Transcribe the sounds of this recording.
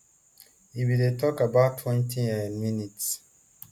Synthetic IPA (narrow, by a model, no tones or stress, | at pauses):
iwidetʰɔkabaʊtʰːwɛ̃ntʰiɛ̃nminits